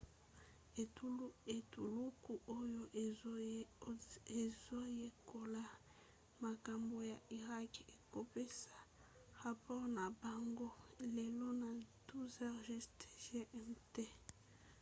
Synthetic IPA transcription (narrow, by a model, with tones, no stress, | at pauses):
e˨tu˦e˨tu˨lu˦ku˨ʔo˦jo˦ʔ | e˨zo˦je˨ko˨la˦ | ma˨ka˨mbo˨ja˨ʔi˨ʁa˦ke˨ko˨pe˦sḁ˨ | ʁa˨pɔ˦ʁna˨ba˨ŋɡo˦le˨lo˦na˨du˦zɛ˦ʁʒi˦ste̥˨ʒe˦ʔɛ˦mte˦